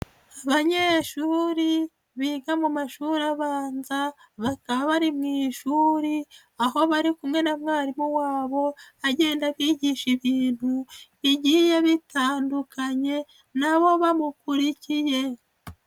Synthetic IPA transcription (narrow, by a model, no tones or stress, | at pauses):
aβaɲe̞ːʃuːɾi | βiɡamumaʃuɾaβaːnza | βakaβaβaɾimŋiːʃuːɾi | aɦo̞βaɾikumŋe̞namŋaːɾimuwaːβo̞aɟe̞ːndaβiːɟiʃiβiːn̥hu | iɟijeβitaːndukaɲe̞ | naβo̞βamukuɾicije̞